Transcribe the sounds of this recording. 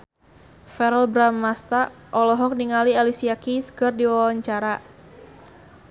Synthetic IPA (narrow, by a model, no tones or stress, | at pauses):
fɛɾɛlbɾamːast̪aʔɔlɔɦɔk̚niŋalialisiakiskɨrdiwawaɲt͡ʃaɾa